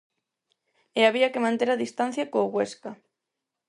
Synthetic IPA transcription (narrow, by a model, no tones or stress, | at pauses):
eaβiakemãnt̪eɾaðist̪an̟θjakoːɣweska